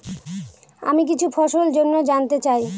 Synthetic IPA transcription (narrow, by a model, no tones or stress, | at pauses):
a̰mik̬it͡ɕʰufʰɔʃold͡ʑonːod͡ʑant̪et͡ɕaj